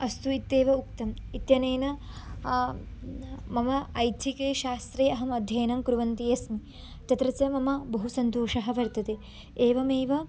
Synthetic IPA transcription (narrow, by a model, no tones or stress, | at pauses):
ɐst̪uit̪ːeːʋɐuk̚t̪ɐmit̪jɐneːnɐ | mɐmɐɐjt̪ʰikeːʃaːst̪ɾeːɐɦɐmɐd̪ʱjɐːnɐmkɾuʋɐnt̪ijɐsmi | t͡ʃɐt̪ɾɐt͡ʃɐmɐmɐbɐɦusɐnt̪oːʂɐɦɐ̆ʋɐɾt̪ɐt̪e | eːʋɐmeːʋɐ